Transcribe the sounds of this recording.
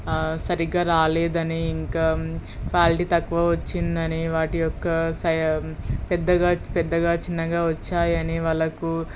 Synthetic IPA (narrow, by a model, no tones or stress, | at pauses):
sɐɾiɡaːɾaːleːd̪ɐniːŋkaːkʋaːliʈiːt̪ɐkːʋɐʋɐt͡ʃːind̪ɐniʋaːʈijɔkːɐsɐjɐpɛd̪ːɐɡaːpɛd̪ːɐɡaːt͡ʃinːɐɡaːʋɐt͡ʃːaːjɐniʋɐɭɐku